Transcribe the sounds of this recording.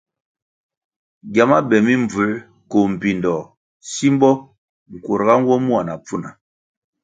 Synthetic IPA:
ɡja˨ma˦bɛ˨mi˦mb͡vu˨˦ | ko˨m̩˨pi˨ndɔ˨ | si˦m˦bɔ˦ | ŋ̩˨ko˨ɾɡa˦ŋ˦ɡwɔ˦mu˦a˨na˨p͡fu˦˨na˨

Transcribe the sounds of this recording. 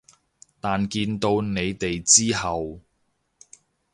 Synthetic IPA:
t̪aː˨nkiː˧nt̪o˧wne˨˧jt̪e˨jt͡siː˥ɦɐ˨w

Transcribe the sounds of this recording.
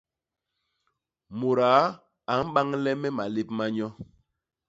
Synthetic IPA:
mo˨ɾaː˨˦ | a˨˦m̩˦ɓa˦ŋlɛ˦mɛ˦ma˨le˦p̚ma˦ɲɔ˦

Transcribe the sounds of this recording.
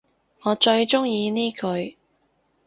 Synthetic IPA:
ŋɔː˨˧t͡ʃɵ˧ɥt͡ʃʊ˥ŋjiː˧niː˥kʰɵ˨˧ɥ

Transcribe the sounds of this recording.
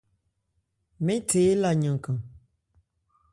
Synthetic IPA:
mẽ˦te˨˦la˨ɲə̃˨ŋ˨kã˨

